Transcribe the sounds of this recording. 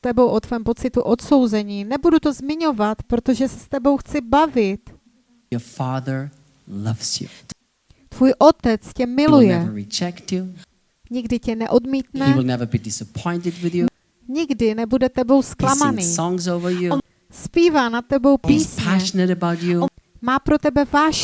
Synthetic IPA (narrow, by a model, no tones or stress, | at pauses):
t̪ɛbowʔot̪vɛːmpo̞tt͡sɪt̪uʔot̪so̞wzɛɲiːnɛbudut̪o̞zmɪɲo̞vat̪pɾo̞t̪o̞ʒɛsɛ̥st̪ɛbo̞wxt͡sɪbavɪt̪ | jə˞fɑðə˞ | lʌvz̥jṵ | t̪vuːjʔo̞t̪ɛt͡scɛmɪlujɛvə˞ɹid͡ʒɛktt͡ʃu | ɲɪɡdɪcɛnɛʔo̞dmiːt̪nɛiwɪlˠnɛvə˞bidɪsəpʰɔ̃ɪ̃ntɨd̚wɨðju | ɲɪɡdɪnɛbudɛt̪ɛbo̞wsklammaniːsɔ̃ŋzoʊvə˞ju | spiːvaːnat̪̚t̪ːɛbo̞wppiːspʰɲæɛʃənɨɾɨbaʊt͡ʃumaːpɾo̞t̪ɛbɛvaːʃ